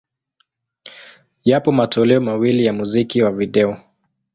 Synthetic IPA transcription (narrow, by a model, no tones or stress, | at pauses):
japɔmatɔlɛɔmawilijamuzikiwaviɗɛɔ